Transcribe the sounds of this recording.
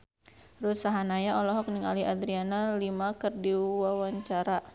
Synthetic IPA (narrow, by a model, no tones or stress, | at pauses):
ɾut̪̚saɦanajaɔlɔɦɔk̚niŋaliad̪ɾianalimakərdiwawaɲt͡ʃaɾa